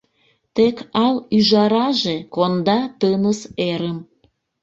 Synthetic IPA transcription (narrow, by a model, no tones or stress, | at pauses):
t̪ekɑlyʒɑɾɑʒekond̪ɑt̪ənəseɾəm